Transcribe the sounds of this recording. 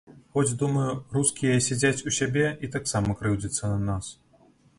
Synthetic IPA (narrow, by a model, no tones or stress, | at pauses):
xɔd͡zʲd̪umɐjuruskʲijɐsʲad͡zʲat͡sʲusʲabʲɛit̪aksamɐkɾɨwd͡zʲit̪sːɐnɐnas